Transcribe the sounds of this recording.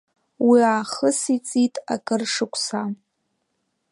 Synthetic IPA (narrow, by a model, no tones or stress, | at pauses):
wiaːχəsit͡sʼitʼa̰kʼɨrʂɨkʷʰʼsa